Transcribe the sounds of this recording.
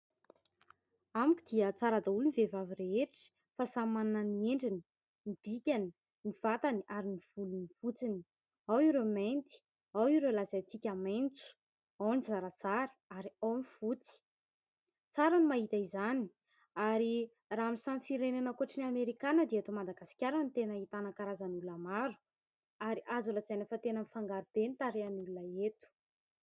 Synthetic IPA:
amukʲid̪̥iət͡saɾad̪aulunivevavireeʈ͡ʂə̥ | fasamananənieɳɖ͡ʐini̥ | nib̥ikʲani | niv̥at̪aniaɾiniv̥ulunifut͡sini̥ | awiɾement̪i̥ | awiɾelazat͡sikʲament͡su̥ | awnizaɾət͡saɾə̥aɾiawmivut͡si̥ | t͡saɾanimaɦit̪aizani̥ | aɾi | raamisanifiɾenanakuaʈ͡ʂiniameɾikanəd̪eat̪omad̪aɡasi̥kʲaɾanit̪enəit̪anakaɾazanululamaɾu̥ | aɾiʔazulazajnafat̪enənifaŋɡaɾub̥enit̪aɾeanululaet̪u̥

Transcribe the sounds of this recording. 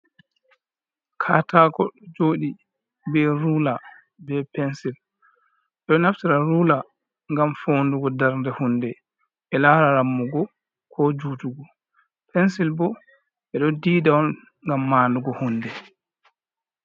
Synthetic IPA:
kʰaːtaːkɔɗɔd͡ʒoːɗi | bɛɾula | bɛpɛnsil | ɛɗɔnaftiɾaɾuːla | ŋɡamfoːnduɡɔdaɾndɛhundɛ | ɛlaːɾaɾamːuɡɔ | kʰɔd͡ʒuːtuɡɔ | pʰɛnsilbɔ | ɓɛɗɔdiːdawɔn | ŋɡamːaːnduɡɔhundɛ

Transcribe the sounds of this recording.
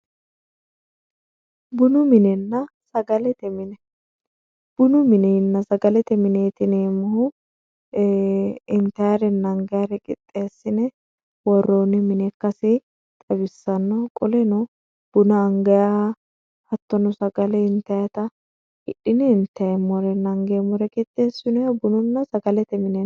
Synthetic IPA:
bʊnʊmɪnɛnːɐ | sɐɡɐlɛt̪ɛmɪnɛ | b̥ʊnʊmɪnɛnːɐsɐɡɐlɛt̪ɛmɪneːt̪ɪneːmʊhʊ | ɪnt̪ɐjɐɾɛnːɐŋɡɐjɐɾɛkʼɪ̰t̪ʼːeːsːɪnɛ | wɔrːoːnɪmɪnɛkːɐsɪ | t̪ʼɐbɪsːɐnːɔkʼɔlɛnɔ | b̥ʊnɐːŋɡɐja | hɐt̪ːɔnɔsɐɡɐlɛɪnt̪ɐjɐt̪ɐ | hɪᶑːɪnɪːnt̪ːɐmɔɾɛnɐŋɡeːmɔɾɛkʼɪt̪ʼːeːsːʊnɔjɐbʊnʊnːɐsɐɡɐlɛt̪ɛmɪnɛ

